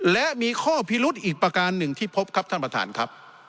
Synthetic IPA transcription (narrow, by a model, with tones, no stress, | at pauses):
lɛ˦˥ʔmiː˧kʰɔː˥˩pʰi˦˥lu˦˥t̪̚ʔiː˨˩k̚pɾa˧kaː˧nːɯ˨˩ŋt̪ʰiː˥˩pʰo˦˥p̚kʰa˦˥p̚t̪ʰa˥˩pɾa˧t̪ʰa̰ː˩˦nkʰa˦˥p̚